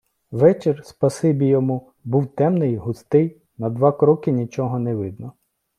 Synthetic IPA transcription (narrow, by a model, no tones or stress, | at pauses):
ʋɛt͡ʃerspɐsɪbʲijɔmu | buwt̪ɛmnɪjɦʊst̪ɪj | nɐd̪ʋɑkɾɔkɪnʲit͡ʃɔɦɔnɛʋɪd̪nɔ